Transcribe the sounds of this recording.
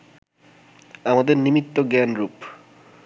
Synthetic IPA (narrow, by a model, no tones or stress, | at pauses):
amad̪eɾnimit̪ːoɡɛnɾup